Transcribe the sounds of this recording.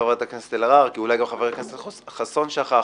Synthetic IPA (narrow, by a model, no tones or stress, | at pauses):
aveʁt̪aknest̪elaʁaʁkiulajɡamχaveʁekneseχasonʃaχa